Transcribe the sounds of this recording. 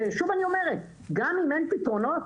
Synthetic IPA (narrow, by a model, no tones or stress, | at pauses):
ʃuvaniomɛɾe | ɡamiment̪it̪onɔ